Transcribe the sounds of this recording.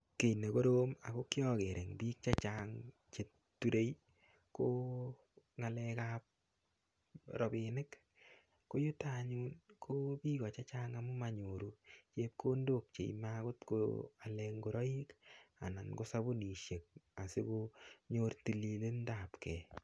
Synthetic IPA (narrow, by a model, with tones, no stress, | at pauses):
ke˨ne˨ko˦ɾo˦ma̰˨ko˦kjɔ˦ke˨ɾʔe˨ŋbiː˦k̚t͡ʃa˦t͡ʃaŋ | t͡ʃe˨ | tːu˨ɾe˦j | ko˦ | ŋa˨lɛkap̚ | ɾɔ˨bɪnɪ˦k | ko˦ju˦ta˦ɲu˦nkʰo˦bi˦ɣɔ˨t͡ʃa˦t͡ʃaː˦ŋa˨mu˦ma˨ɲo˨ɾut͡ʃe˦p̚kʰo˦ndo˦k̚t͡ʃḛ˨ima˦ko˦tko̰a˨lɛŋɡo˨ɾɔ˦i˦ka˨na˨nɡo˦sa˦bu˦ni˨ʃe˨k̚a˨sɪ˦ko˦ɲo˦rti˨li˨le˦nda˨pkɛ˨